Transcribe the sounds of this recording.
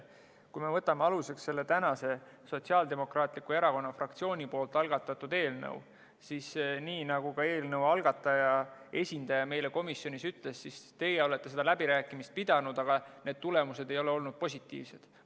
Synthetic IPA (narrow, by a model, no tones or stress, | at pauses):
kujme̞vɤt̪ːˑɑmeɑluse̞ksːe̞lːe̞t̪ænɑse̞ | so̞t̪siɑːld̪e̞mo̞krɑːt̪ˑlikːˑue̞ɾɑko̞nːɑfrɑk̚t̪sio̞ːnʲipo̞ːlt̪ˑɑlɡ̥ɑt̪ːˑɑt̪ːˑud̪e̞ːlnɤ̰w | sisniːnɑɡ̥ukɑe̞ːlnɤwɑlɡ̥ɑt̪ːˑɑjɑe̞sʲind̪̥ɑjɑme̞jle̞ko̞misjo̞nʲisyt̪le̞sːist̪e̞jeo̞lɛ̞t̪ˑːee̞d̪̥ɑlæb̥iɾæːkˑːimist̪̚pid̪̥ɑnud̪̥ɑɡ̥ɑne̞d̪̥̚t̪ule̞muse̞d̪e̞jo̞le̞o̞lnud̪̚po̞sʲit̪ːˑḭːvse̞d̪̥